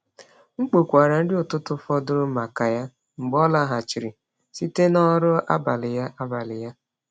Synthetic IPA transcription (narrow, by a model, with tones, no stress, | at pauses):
ŋ͡m̩˦k͡po˨kʷa˨ɾa˨n̩˦dɪ˦ʊ˨tʊ˦tʊ˦fɔ˦dʊ˦ɾʊ˦ma˨ka˨ja˦ | ŋ͡m̩˨ɡ͡bɔ˦la˦ɦa˨t͡ʃi˨ɾi˨ | si˦te˦nɔ˦ɾʊ˦a̰˦ba˨lɪ˨ja˦ʔa˦ba˨lɪ˨ja˦